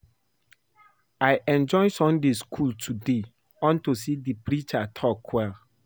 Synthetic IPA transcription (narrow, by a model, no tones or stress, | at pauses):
ajʔɛ̃nd͡ʒɔ̃ɪ̃nsɔ̃mdeskʰultʰude | ɔ̃ntus̬idipɹit͡ʃatʰɔkʰːwɛl